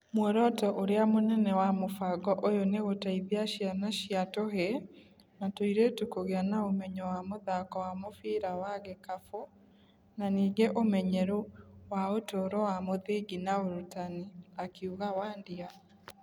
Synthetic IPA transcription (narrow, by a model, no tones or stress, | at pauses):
mwɛɾɔtɔʔoɾeamonɛnɛwamofaɡɔʔojoneɣotaiðiaʃjanaʃiatoɦe | natoiɾetukoɣeanaomɛɲɔwamoðakɔwamofiːɾawaɣekafo | naniːɡeʔomɛɲɛɾuwaotoɾɔwamoðeɡinaoɾutaniakeuɣawaːndia